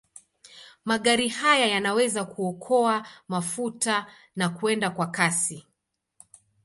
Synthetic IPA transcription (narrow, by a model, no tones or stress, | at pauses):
maɠaɾihajajanawɛzakuɔkʰɔamafuta | nakuɛndakwakasi